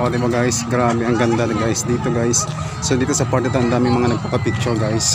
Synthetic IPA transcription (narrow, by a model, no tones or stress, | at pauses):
oːd̪ɪbɐɡajsɡɾaːbɛʔɐŋɡɐnd̪ɐnɐɡajsd̪iːt̪oɡajsː | od̪iːt̪osɐpaɾt̪ɛt̪ɐɐnd̪aːmɪŋmɐŋanɐɡ̚papɐpɪk̚t͡ʃʊɹɡajs